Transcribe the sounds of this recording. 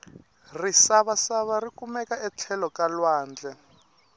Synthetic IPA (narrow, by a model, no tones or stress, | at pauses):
risaβasaβarikumɛkaɛt͡ɬʰɛlɔkalwaːnd͡ɮɛ